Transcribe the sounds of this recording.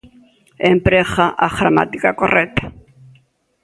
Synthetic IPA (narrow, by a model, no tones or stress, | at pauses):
empɾexaʔaɣɾama̰t̪ikakoret̪ḁ